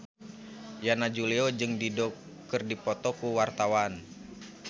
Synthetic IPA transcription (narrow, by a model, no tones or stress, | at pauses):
janad͡ʒuliod͡ʒɨŋdidɔk | ɨrdipɔt̪ɔkuwart̪awan